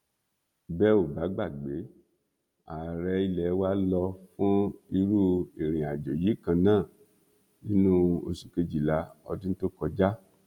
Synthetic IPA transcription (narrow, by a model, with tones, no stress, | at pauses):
bɛ˦o˨ba˨˦ɡ͡ba˦˨ɡ͡be˨˦ | a˨ɾɛ˧˦i˧lɛ˨˦wa˦lɔ˧fũ˦i˧˦ɾu˦e˨ɾ̃ĩ˨a˨d͡ʒo˨ji˨˦kã˧nãː˦˨ | nĩ˨˦nũ˦o˧su˨ke˧d͡ʒi˨la˨˦ɔ̰˧dĩ˦n̩˦to˦kɔ˧d͡ʒa˦